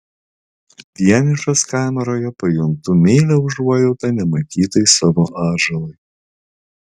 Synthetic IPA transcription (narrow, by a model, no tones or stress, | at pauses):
d̪ʲiɛnʲɪʃoskɑːmʲɛɾoːjɛpɐjʊŋt̪ʊmʲeːlʲɛʊʒɾuɔjɛʊt̪ɐnʲɛmɐk̪ʲiːt̪ɐɪsɑʋoːʔɑːʒɐlˠɔɪ